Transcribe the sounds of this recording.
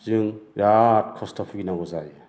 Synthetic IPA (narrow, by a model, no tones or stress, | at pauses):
zɯŋjat̚kʰɔstʰɔpʰiɡinaɡɔzaj